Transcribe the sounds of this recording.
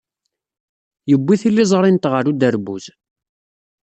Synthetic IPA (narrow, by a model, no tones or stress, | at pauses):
jəbːiθilːizˤɾˤɪnt̪ʁəɾud̪əɾbṵz